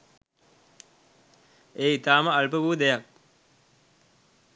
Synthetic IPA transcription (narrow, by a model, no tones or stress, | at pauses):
eːit̪aːməalpəʋuːd̪ejak̚